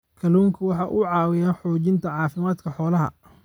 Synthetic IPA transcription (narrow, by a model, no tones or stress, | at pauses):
kʰɐluːŋkʰʊwɑħɑːʔʊʕɑːwɪjaːnħɔːt͡ʃɪnt̪ʰɐʕɑːfɪmaːd̪kʰɐħɔːlɐɦɐ̰